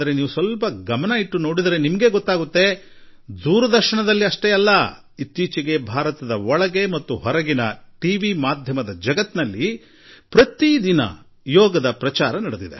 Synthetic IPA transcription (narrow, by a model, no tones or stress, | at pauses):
ɐɾe̞niːʋusʋɐlpɐɡɐmɐnɐiʈːuno̞ːɽid̪ɐɾe̞nimɐɡe̞ɡɔt̪ːaːɡut̪ːe̞ | d̪uːɾɐd̪ɐɾʃɐɳɐd̪ɐlːiɐʂʈeːɐlːɐ | it̪ːiːt͡ʃiɡe̞bʱaːɾɐt̪ɐd̪ɐɔɭɐɡe̞mɐt̪ːuɦɔɾɐɡinɐʈiːʋimaːd̪ʱjɐmɐd̪ɐd͡ʒɐɡɐt̪nɐlːi | pɾɐt̪id̪inɐ̰ | jɔːɡɐd̪ɐpɾɐt͡ʃaːɾɐnɐɽed̪id̪e